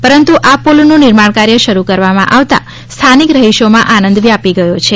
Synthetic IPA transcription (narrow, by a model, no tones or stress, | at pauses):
pəɾənt̪uʔapolnũnɪɾmaɳkaɾjəʃəɾukəɾʋamã̰ʔaʋt̪a̰ | st̪ʰanikɾəɦiʃomãʔanə̃nd̪ʱʋiapiɡəjot͡ʃʰe